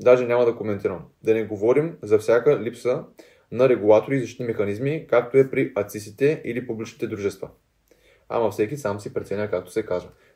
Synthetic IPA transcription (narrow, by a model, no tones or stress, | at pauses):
d̪aʒɛnʲamɐd̪ɐkomɛnt̪iɾəm | d̪ɐnɛɡovɔɾimzɐfsʲjakəlipsə | nɐɾɛɡulˠat̪oɾiːzɐʃt̪it̪imɛxɐnizmikak̚t̪oɛpɾiʔɐt̪sist̪it̪ɛilipublit͡ʃnit̪ɛd̪ɾuʒɛst̪və̰ | a̰mɐfsɛkisamsipɾɛt̪sɛnʲəkak̚t̪o̥sɛkazvə